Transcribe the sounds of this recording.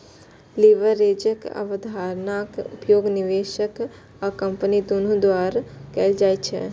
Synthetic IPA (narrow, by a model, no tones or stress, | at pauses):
liʋəɾeːd͡ʒəkə̰ʋəd̪aːɾnaːkʊ̰pjoːɡnɪʋeːʃək | akɐ̃mpənid̪oːnũd̪waːɾkɛːld͡ʒaːjt͡ʃʰɛ̰